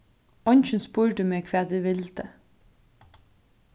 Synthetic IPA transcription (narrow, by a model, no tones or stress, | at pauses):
ɔnʃn̩spuːɾd̪ʉːmeːkʰʋeːd̪ʋiːʋɪlt̪ə